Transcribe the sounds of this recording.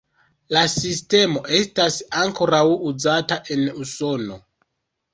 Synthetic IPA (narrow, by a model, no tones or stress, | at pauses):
lasiste̞mo̞ʔe̞stasaŋko̞ɾawuzataʔe̞nuso̞no̞